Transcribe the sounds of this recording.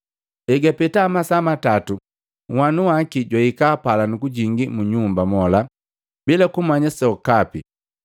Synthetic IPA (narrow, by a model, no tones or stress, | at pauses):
ɛɡapɛtaːmasamatatu | ŋwanuwakiɟwaikaːpalanukuɟiŋɡimuɲumbamɔla | bilakumaɲasɔɔkapi